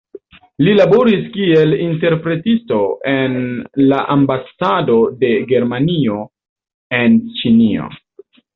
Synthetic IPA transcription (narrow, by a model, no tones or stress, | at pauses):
lilabo̞ɾiskie̞linte̞ɾpɾe̞tisto̞ʔe̞nlaʔambasado̞de̞ɡe̞ɾmanio̞ | e̞nt͡ʃinio̰